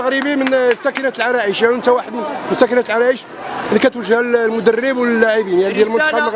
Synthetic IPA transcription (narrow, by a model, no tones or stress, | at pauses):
ɣɾibimənsækənæt̪lʕɑɾˤɑʔiʃænt̪æwaħəd̪mnmnsækənæt̪lʕɑɾˤɑʔiʃ | likæt̪wəʒːəhllmʊd̪ərːəbwlːæʕibinæd̪jælmʊnɑqɑmɣ